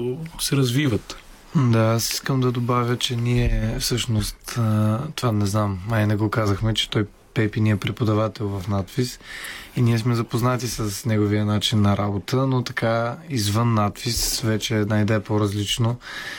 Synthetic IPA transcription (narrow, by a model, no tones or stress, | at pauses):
osɛɾɐzvivət̪ | d̪aasi̥skəmd̪ɐd̪obavʲjət͡ʃɛniɛfsɤʃnost̪t̪ovanɛznamainɐɡokazəxmɛt͡ʃɛ̥t̪ɔj | pɛpiniɛpɾɛpod̪ɐvat̪ɛlˠvɐfnat̪pisiniɛsmɛzɐpoznat̪isəsnɛɡovijənat͡ʃinːɐɾabot̪ənot̪ɐkaizvənːat̪pisvɛt͡ʃɛnɐjd̪ɛpoɾɐzlit͡ʃno